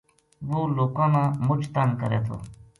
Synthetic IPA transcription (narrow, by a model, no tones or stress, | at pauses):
ʋuːloːkaːnãːmʊt͡ʃt̪ankəɾḛːt̪ʰo̰ː